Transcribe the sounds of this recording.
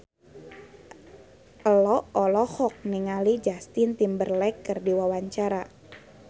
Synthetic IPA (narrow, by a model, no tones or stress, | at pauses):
ʔəlɔɔlɔhɔk̚niŋalid͡ʒast̪int̪imbərlɛkːərdiwawaɲt͡ʃaɾa